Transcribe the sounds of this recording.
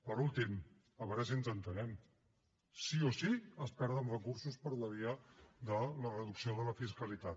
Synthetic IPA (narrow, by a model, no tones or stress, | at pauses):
pəɾulˠt̪im | əβɾɛzənzənt̪ənɛm | siosiəspɛɾð̞ənrəkuɾsuspəɾləβiad̪ələrəðuksioðələfiskəlit̪at̪